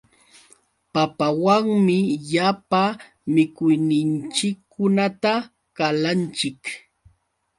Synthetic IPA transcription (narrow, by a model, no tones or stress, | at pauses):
papawaŋmɪʎapa | mɪkʊjnɪnt͡ʃɪkʰːʊnat̪a | kalant͡ʃɪk